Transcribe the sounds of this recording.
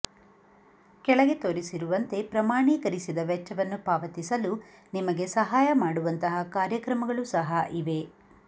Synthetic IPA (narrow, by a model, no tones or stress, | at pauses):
kɛɭɐɡe̞t̪oːɾisiɾuʋɐnt̪e̞pɾɐmaːɳiːkɐɾisid̪ɐʋɛt͡ʃːɐʋɐnːupaːʋɐt̪isɐlunimɐɡe̞sɐɦaːjɐmaːɽuʋɐnt̪ɐɦɐkaːɾjɐkɾɐmɐɡɐɭusɐɦɐʔiʋe̞